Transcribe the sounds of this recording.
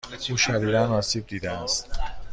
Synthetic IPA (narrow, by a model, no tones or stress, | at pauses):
uːʃæɾiːɾænɒːsiːb̚d̪iːd̪ææst̪